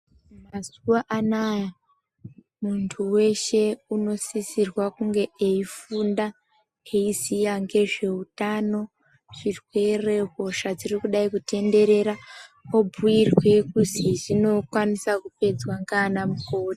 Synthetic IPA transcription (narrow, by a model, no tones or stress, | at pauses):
mazuwaʔanaja | muntʰuwe̞ʃe̞uno̞sisirwakuŋɡe̞eifunda | eisijaŋɡe̞ʐe̞utano̞ | ʐ̥irwe̞re̞ɦo̞ʃad͡zirikuɗaikute̞nde̞ɾe̞ɾaobʱuirwe̞kuziʐino̞kwanisakupe̞d͡zwaŋɡanamukoːɗa